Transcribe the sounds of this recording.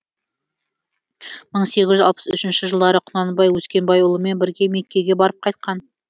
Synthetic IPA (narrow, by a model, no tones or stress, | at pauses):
məɴse̞ɡʲɪzʒʏzɑlˠpə̥sʏʃɪnʃɪʒəlˠd̪ɑɾəqʰʊnɑnəbɑjwɵskʲe̞nbɑjʊlˠəme̞nbɪɾɡʲe̞me̞kʲːe̞ɡʲebɑɾəp̚qʰɑjt̪̚qɑn